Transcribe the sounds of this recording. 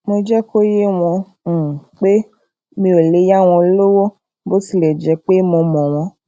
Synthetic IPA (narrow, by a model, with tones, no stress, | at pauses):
mo˧d͡ʒɛ˦ko˦je˦w̃ɔ̃˧˨ | k͡pe˦ | mĩ˧˦o˨le˨˦ja˦w̃ɔ̃˧lo˦wo˦ | bo˦si˦˨lɛ˨d͡ʒɛ˨˦k͡pe˦mo˧mɔ̃˨w̃ɔ̃˧˦